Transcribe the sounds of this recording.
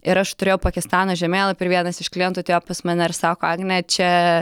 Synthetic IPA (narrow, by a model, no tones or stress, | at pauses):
ɪɾɐʃt̪ʊɾʲeːjɛʊpɐkʲɪst̪ɑːnoʒʲɛmʲeːlˠɐpʲɛɾʋʲiɛnɐsɪʃklʲint̪ʊt̪ʲejoːpɐsmɐnʲɛɾsɑːkoːɑɡnʲɛt͡ʃʲɛ